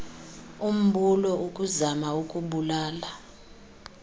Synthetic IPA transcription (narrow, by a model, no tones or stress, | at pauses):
um̩ɓʱulɔʔukʼuzamaukʼuɓulaːla